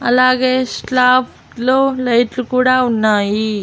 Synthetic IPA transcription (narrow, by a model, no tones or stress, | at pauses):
ɐlaːɡeːsʈaːpʰ | loːlɐjʈlukuːɽaːunːaːji